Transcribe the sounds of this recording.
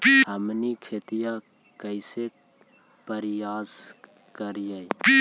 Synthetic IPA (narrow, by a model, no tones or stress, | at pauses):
həmnikʰeːt̪ija | kəɪse | pəɾjaːz | kəɾijaj